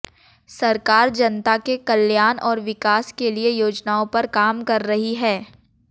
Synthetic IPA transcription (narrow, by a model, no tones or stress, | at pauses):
sɐɾkaːɾd͡ʒɐnt̪akekɐljaːnʔɔːɾʋɪkaːskeliejoːd͡ʒnaːõpɐɾkaːmkɐɾːɐɦiɦɛː